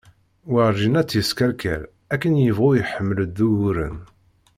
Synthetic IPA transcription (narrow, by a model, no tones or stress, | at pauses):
wəɾʒinæt͡sːjəskæɾkæ̰ɾ | ækːənjəvʁʊjəħəmːələd̪ːuwuɾə̰n